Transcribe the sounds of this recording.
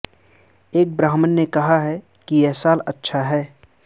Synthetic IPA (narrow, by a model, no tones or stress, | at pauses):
eːk̚bɾaːɦmənːekɐɦaɦɛ | kijɛɦsaːlɐtːʃʰaɦɛː